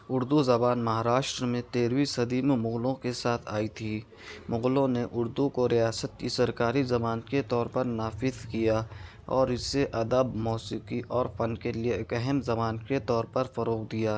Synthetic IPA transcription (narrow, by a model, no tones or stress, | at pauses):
ʊɾd̪uzɐbaːnmɐɦaːɾaːʃʈɾmẽt̪eːɾwisɐd̪iːmmʊɣlõkesaːt̪ʰaːit̪ʰiː | mʊɣlõneʔʊɾd̪ukoɾijaːsət̪̚kisɐɾkaːɾizɐbaːnət̪ket̪ɔːɾpɐɾnaːfɪzkija | ɔːɾɪseʔɐd̪əbmɔːsiqiʔɔːɾfɐnkelieɪkɛɦɛmzɐbaːnket̪ɔːɾpɐɾfɐɾoːqd̪ijaː